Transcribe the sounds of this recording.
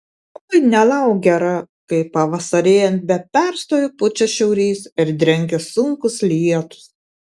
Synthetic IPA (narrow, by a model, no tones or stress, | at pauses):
oɐɪnʲɛlˠɐʊɡʲɛɾɐ | kɐɪpɐʋɐsɐɾʲeːjɛnt̪̚bʲɛpʲæɾst̪oːjʊpʊt͡ʃʲɛʃʲɛʊɾʲiːsɪɾd̪ʲɾʲɛŋʲɡʲɛsʊŋkʊslʲiɛt̪ʊ̥s